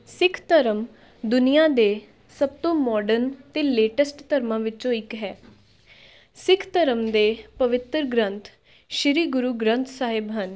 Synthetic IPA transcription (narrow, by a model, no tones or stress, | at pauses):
sɪkʰt̪əɾəm | d̪ʊnijaːd̪eː | səb̚t̪õːmɔːɖənt̪eːleːʈəsʈt̪əɾmãːʋɪt͡ʃõːɪkɦɛː | sɪkʰt̪əɾəmd̪eːpəʋɪt̪ɾɡɾə̃nt̪ʰ | ʃɪɾiːɡʊɾuːɡɾə̃nt̪ʰsaːɦɪbɦən